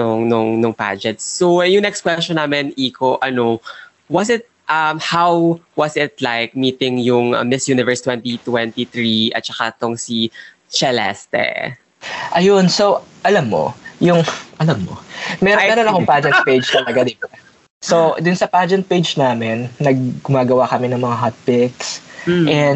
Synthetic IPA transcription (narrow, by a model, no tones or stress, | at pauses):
oŋnoŋnʊŋpa̰d͡ʒɛnt̪sːojʊŋnɛkst̪kwɛst͡ʃɔnːaːmɪniːkʰoʔɐno | wɐsɪt̪̚ʔɐmhawwɐsɪt̪̚lajk̚miːt̪ɪŋjʊŋɐ̰mɪsjuːnɪvɛɹst̪wɛ̃nt̪it̪wɛnt̪iθɹiʔɐ̰t̪̚t͡ʃɐkat̪oŋsi | t͡ʃɛlɛ̰st̪ɛ̰ | ʔɐjonsoʔɐlɐmːo̰jʊŋʔɐlɐmːo̰mɛɾɛɾonɐkoŋpad͡ʒɛnt̪̚ped͡ʒt̪ɐlɐɡad̪iba | sod̪ʊnsɐpad͡ʒɛnt̪̚pejd͡ʒnaːmɛnːɐɡ̚ɡʊmaːɡɐwakɐmɛnɐŋmɐŋaɦat̪̚pɪks̩ʔɛn